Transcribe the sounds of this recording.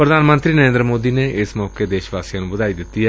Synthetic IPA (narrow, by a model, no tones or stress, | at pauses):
pɾəd̪ʱaːnmə̃nt̪ɾiːnəɾẽnd̪ɾəmoːd̪iːneɪsmɔːked̪eːʃʋaːsijaːnũbʊd̪aːid̪ɪt̪ːiɦɛː